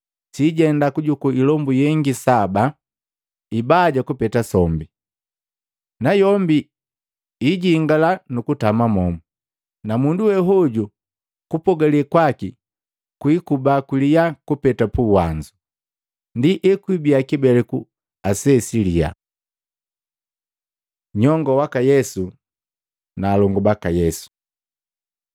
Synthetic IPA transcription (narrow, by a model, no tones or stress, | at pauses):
siɟɛndakuɟukuilɔmbujɛŋɡisaba | ibaɟakupɛtasɔmbi | najɔmbi | iɟiŋɡalanukutamamɔmu | namunduwɛɦɔɟu | kupɔɡalikwaki | kwikubakwilijakupɛtapuwaɲd͡ʒu | ndiʔɛkwibiakibɛlɛku | asɛsilia̰ | ɲɔŋɡɔwakajɛsu | naːlɔŋɡubakajɛsu̥